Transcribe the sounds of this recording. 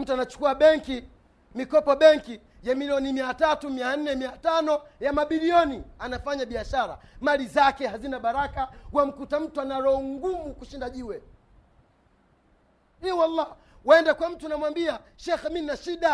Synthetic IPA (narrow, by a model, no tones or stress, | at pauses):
m̩tuanat͡ʃu̥kuaɓɛŋki | mikɔpɔɓɛŋki | jamiliɔnimiatatumian̩nɛmiatanɔjamaɓiliɔnianafaɲaɓiaʃaɾa̰malizakɛhazinaɓaɾakawam̩kutam̩tuanaɾɔɔŋɡumukuʃindaʄiwɛ | ɛwalːa | waɛndakwam̩tunamwambiaʃɛxminnaʃiɗa